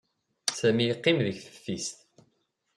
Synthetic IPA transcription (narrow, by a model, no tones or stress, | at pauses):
sæmijqːimðəçθə̥fːist̪